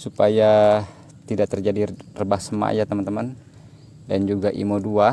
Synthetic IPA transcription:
supaja | t̪idaʔ̚t̪ərd͡ʒadirəbahsəma̰jat̪əmant̪əman | dand͡ʒuɡaʔḭmodua

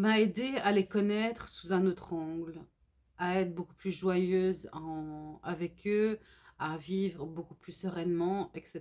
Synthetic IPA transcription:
maed̪ealekɔnɛt̪χsuzɛ̃not̪χɑ̃ɡl | aɛt̪χbokuplyʒwajøːzɑ̃avɛkʰøavivʁbokuplysəʁɛnmɑ̃ɛkset̪

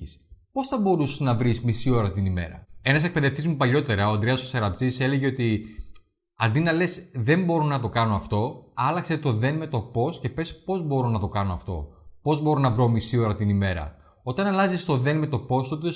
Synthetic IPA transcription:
ispo̞sθɐbo̞ɾusnɐvɾismisio̞ɾɐt̪inime̞̰ɾɐ̰e̞nɐsek̚pe̞ðe̞ft̪izmupɐʎo̞t̪e̞ɾɐo̞ɐnd̪ɾeɐsosɐɾɐpt͡sise̞leʝe̞ot̪i | ɐ̰nd̪inɐle̞sðe̞mbo̞ɾonɐt̪o̞kɐno̞ɐft̪o̞ɐlɐkse̞t̪o̞ðe̞nme̞t̪o̞po̞sce̞pe̞spo̞zbo̞ɾonɐt̪o̞kɐno̞ɐft̪o̞̰po̞zbo̞ɾonɐvɾo̞misio̞ɾɐt̪inime̞ɾɐ̰ | o̞t̪ɐnɐlɐzist̪o̞ðe̞nme̞t̪o̞po̞st̪ot̪o

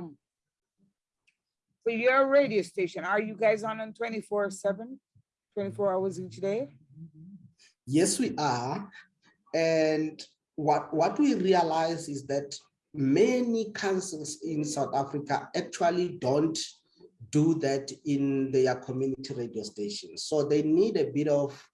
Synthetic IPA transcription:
m | sɔjɔ˞ɹeɪɾiosteɪʃɔ̃nə˞juɡaɪzn̩ntʰw̥ɛ̃ntifɔɹəsɛvə̃n | tʰw̥ɛ̃ntifɔɹaʊwəzit͡ʃdeɪ | jɛswiʔa | ɛnd | wɔtwɔtʰwirialajzisðɛt | mɛnikʰãnsɛlsĩnsawθafrikʰaɛk̚t͡ʃʰualidõnt | duðɛtʰĩnðɛakʰɔmjunitʰiɹediosteʃɔ̃nsoðenidebiɾɔf

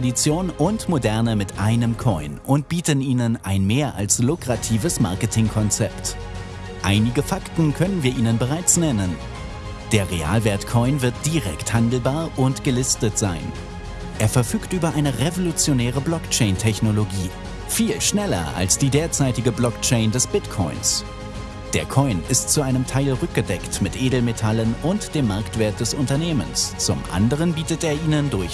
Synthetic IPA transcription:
adit͡sjoːnʊntmodɛɐnəmɪtʔa̰ɪnəmkʰɔʏnʔʊnt̚b̥iːtəniːnənʔaɪnmeːɐʔa̰lslʊkʁ̥atʰiːvəsma̰ɐkətʰɪŋkʰɔnt͡sɛpt | ʔaɪnɪɡəfaktn̩kʰœnənviːɐʔiːnənbəʁaɪt͡snɛnən | d̥eːɐʁea̰ːlvɛɐtkʰɔʏnvɪɐt̚d̥iʁɛ̰kthandl̩baːɐʔʊntɡ̥əlɪstətz̥aɪn | ʔeːɐfɛɐfyːktʔyːbɐʔaɪnəʁevolut͡sjonɛːʁəblɔkt͡ʃɛɪntʰɛçnoloɡiː | fiːlʃnɛlɐ̰ʔa̰lsd̥iːdeːɐt͡saɪtɪɡəblɔkt͡ʃɛɪndɛsb̥ɪtkʰɔʏns | d̥eːɐkʰɔʏnɪstt͡suʔaɪnəmtʰaɪlʁʏk̚ɡ̥ədɛktmɪtʔeːdl̩metʰalənʊntd̥eːmːaɐktv̥eːɐt̚d̥ɛsʊntɐneːmə̰nst͡sʊ̰mʔa̰ndəʁ̞ənbiːtətʔeːɐʔiːnəndʊɐç

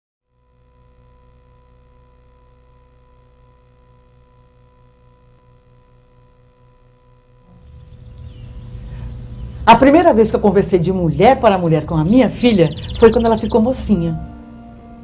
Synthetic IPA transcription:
ɐpɾimejɾɐvejskɪewkõveɾsejd͡ʒɪmuʎɛɾpaɾɐmuʎɛɾkõɐmĩɲɐfiʎɐfojkɐ̃nd̪ɛlɐfikomosĩɲɐ

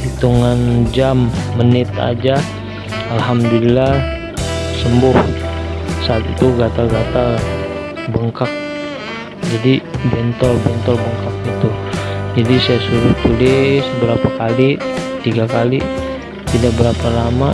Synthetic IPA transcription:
hit̪uŋand͡ʒamːənɪt̪a̰d͡ʒa | alɦamdulila | səmbʊh | saːt̪it̪uɡat̪aɡat̪a | bəŋkak̚ | d͡ʒadibɛnt̪ɔlbɛnt̪ɔlbəŋkak̚ɡit̪ud͡ʒadisajasuɾʊt̪ulɪsbəɾapakalit̪iɡakali | t̪idabəɾapalama

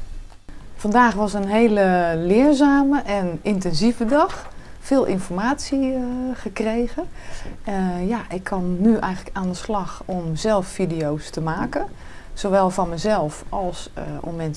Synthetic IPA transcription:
fɑndaːxʋɔsənɦeːləlɪənzaːməʔɛnɪntɛnzivədɑx | fɪːlˠʔɪ̰nfɔrmaːtsiɣəkrejɣən | jaʔɪkʰːɔnːyʔɛjɣənləkaːndəslɑxɔmz̥ɛlˠffidijowstəmaːkənsowʋɛlˠvɔnməzɛlˠfɑlˠso̰mːɛn

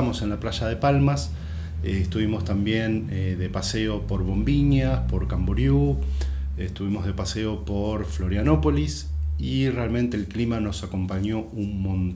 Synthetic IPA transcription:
amo̞se̞nlaplaʃað̞e̞palmas | est̪uβimo̞st̪ambje̞ned̪e̞paseo̞po̞ɾβo̞mbiɲaspo̞ɾkamboɾju | est̪uβimo̞zð̞e̞paseo̞po̞ɾflo̞ɾjano̞po̞lis | irealment̪e̞ːlklimano̞sako̞mpaɲo̞unmõn

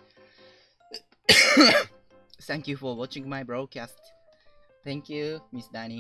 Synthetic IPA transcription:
θæ̃ŋkjufɔwɔt͡ʃĩŋɡmajbɹɔd̪̚kʰæst̪ | t̪æ̃ŋkʰjumisd̪æni

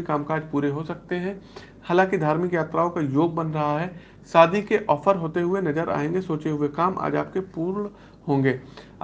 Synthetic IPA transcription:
ikaːmkaːd͡ʒpuːɾeɦosɐk̚t̪eɦɛ̃ | haːlãːkid̪ʱaːɾmɪkjaːt̪ɾaːõkajoːɡ̚bɐnɾɐɦaɦɛ | saːd̪ʱikeʔɔːfʰəɾɦoːt̪eɦʊenɐd͡ʒəɾʔa̰ːẽːŋɡesoːt͡ʃeɦʊekaːmʔa̰ːd͡ʒa̰ːp̚kepuːɾɳ | ɦõːŋɡeː

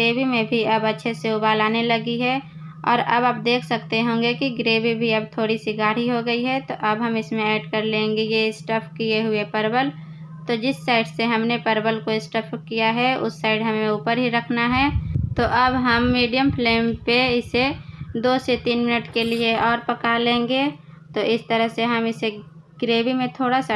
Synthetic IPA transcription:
ɡeːbimẽbʱiɐbɐtːʃʰeseʊbaːlaːnelɐɡiɦɛ | ɔ̰ːɾɐbaːp̚d̪eːkʰsəkt̪eɦõːŋ̆ɡekiɡɾeːbibʱiɐbt̪ʰoːɽisiɡaːɽ̤iɦoɡəiɦɛt̪oʔɐbɦɐmɪsmẽɛːɖkɐɾlẽːŋɡejeɪsʈəpʰkieɦʊepɐɾbəl | t̪od͡ʒɪsːaːɪɖseɦɐmnepəɾbəlkoɪsʈəpʰkijaɦɛʊ̰sːaːɪɖɦɐmẽuːpəɾɦiɾɐkʰnaɦɛt̪oʔɐbɦəmːiːɖijəmpʰleːmpeɪsed̪oːset̪iːnmɪnəʈkelieɔːɾpɐkalẽːŋɡe | t̪oʔɪst̪əɾəɦseɦɐmɪse | ɡ̥ɾeːbimẽt̪ʰoːɽasa

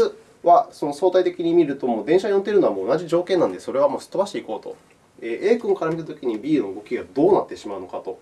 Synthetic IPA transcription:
ɨ | βaso̞noso̞ːt̪ait̪e̞kʲiɲ̟imʲiɾɯ̟t̪o̞moːd̪ẽ̞ɰ̃ɕaɲjont̪d̪eɾɯ̟noamo̞ːnaʑiʑo̞ːkẽ̞nːãnd̪e̞so̞ɾe̞β̞amoːɕi̥t̪ːobaɕi̥t̪e̞iko̞ːt̪o̞̰ | eːʔe̞ːkɯ̟̃ŋkaɾamʲit̪at̪o̞kʲiɲ̟ibʲiːno̞ɡo̞kʲiɡad̪o̞ːnat̪ːe̞ɕimaɯ̟no̞kat̪o̞

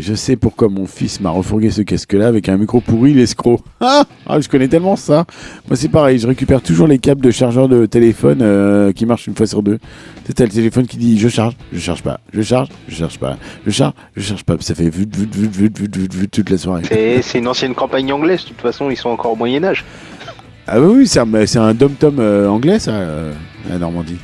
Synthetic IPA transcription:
ʒəsɛpuʁkwamɔ̃fismaʁəfuʁɡʲesəkʲaskəlaːvɛkɛ̃mikχopuʁilɛskχoa | a̰ʒəkɔnɛt̪ɛlmɑ̃samwʔasɛpaʁɛjʒəʁekʲypɛʁt̪uʒuʁlekap̚d̪əʃaʁʒœʁd̪ət̪elefɔnøkʲimaʁʃynfwasyʁd̪øsɛt̪walət̪elefɔnkʲid̪iʒəʃaʁʒʒəʃa̰ʁʒpa̰ʒəʃaʁʒ | ʒəʃaʁʒpa̰ʒəʃaʁʒ | ʒəʃaʁʒpapsafɛvyd̪vyd̪vyd̪vyd̪vyd̪vyvyt̪ut̪laswaʁesɛsɛynɑ̃sjɛnkɑ̃paɲɑ̃ɡlɛzdt̪ut̪fasɔ̃ilsɔ̃ɑ̃kɔʁomwajɛnaʒ | a̰wɛwisɛ̃mɛsɛt̪ɛ̃d̪ɔmt̪ɔmøɑ̃ɡlɛsaøa̰nɔʁmɑ̃d̪i

